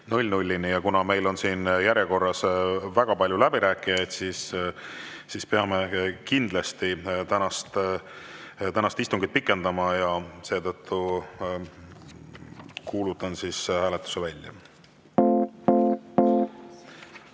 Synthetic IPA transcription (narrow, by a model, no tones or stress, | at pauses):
nulʲnulʲːinijɑkunɑme̞jlo̞nsiːnjæɾjeko̞rːɑsvæɡ̥ɑpɑlʲjulæb̥iɾæːkːˑijɑjd̪̥siːs | sispeɑme̞kind̪̥lɑst̪it̪ænɑst̪ | t̪ænɑst̪ist̪uŋɡ̥it̪̚pikːˑe̞nd̪̥ɑmɑjɑse̞ːt̪ɤt̪ʰːu | kuːlut̪ːˑɑnsishæːle̞t̪ːˑu̥sevælʲːjɑ̰